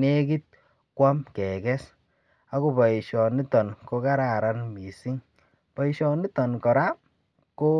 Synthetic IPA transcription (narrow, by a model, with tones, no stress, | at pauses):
ne˦ki˦t̚ | kwa˦mkɛ˨kɛ˦s | a˦ku˦bɔ˨i˨ʃɔ˨ni˦tɔ˨nko˧ka˦ɾa˨ɾa˦nmi˨si˦ŋ | pɔ˨i˨ʃɔ˨ni˦tɔ˨nkɔ˨ɾa˦ | ko˦